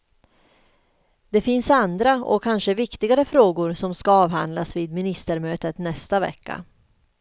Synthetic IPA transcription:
d̪̥ɛfɪnsand̪ɾaɔ̰kʰːanʂəvɪkt̪ɪɡaɾəfɾoːɡʊɾsɔmskaɑːvɦa̰nd̪lasviːd̪mɪnɪst̪əɾmøːt̪ət̪nɛst̪avɛ̰kːa̰

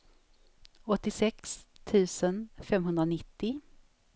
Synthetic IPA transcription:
ɔt̪ːɪsɛkst̪ʰʉ̟ːsənfɛmɦɵnd̪ɾanɪt̪ːɪ

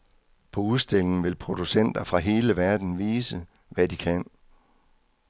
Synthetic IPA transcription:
pʰɒ̽uðˠsd̥e̝l̰e̝ŋ̩ʋe̝lpʰʁo̝d̥usen̰d̥ɐfʁɑ̈ɦe̝ːləʋæɐd̥n̩ʋiːsə | ʋædikʰæn̰

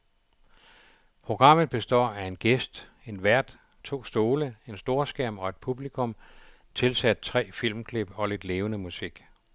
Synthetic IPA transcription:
pʰʁo̝ɡ̥ʁɑ̈m̰ð̩ˠb̥e̝sd̥ɒ̰ːæe̝nɡ̥esd̥ | e̝nʋæɐ̰d̥ | t͡sʰo̝̰ːsd̥o̝ːləe̝nsd̥o̝ːɐsɡ̥æɐ̰mɒ̽e̝d̥̚pʰub̥likʰɔ̽m | t͡sʰe̝lsæd̥̚t͡sʰʁɛ̰ːfil̰mkʰle̝b̥ɒ̽le̝d̥le̝ːʊənəmusiɡ̥

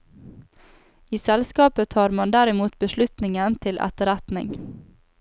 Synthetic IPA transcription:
iːsɛlskɑːpət̪ʰɑːɾmɑnd̪æɾɪmuːt̪bəʃlʉt̪nɪŋənt̪ʰɪlʔɛ̰t̪əɾɛt̪nɪ̰ŋ

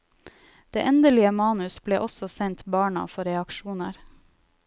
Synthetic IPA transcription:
d̪̥eːʔɛnd̪əlɪəmɑːnʉsbleːʔɔsɔsɛnt̪bɑːɳɑ̰fɔɾɛɑkʃuːnəɾ

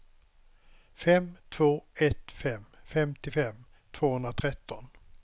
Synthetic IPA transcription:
fɛmt̪ʰv̥oːɛt̪fɛmfɛmt̪ɪfɛm | t̪ʰv̥oːhɵnd̪ɾat̪ʰɾɛt̪ːɔn

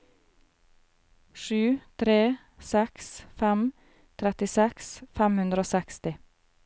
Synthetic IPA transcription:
ʃʉːt̪ʰɾeː | sɛksfɛm | t̪ʰɾɛt̪ɪsɛksfɛmhʉnd̪ɾəoːsɛkst̪ɪ

